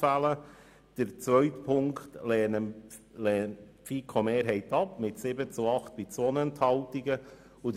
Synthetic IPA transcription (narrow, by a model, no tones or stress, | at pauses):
ælə | d̥əɾt͡sʋœɥtpʰʊŋktlɛːnə | lɛːnpfiːkʰomeːɾɦɛɪtɑpmɪtsɪbət͡suɑχt̪̚b̥it͡sɔnəənt̪hɑltiɡə | ud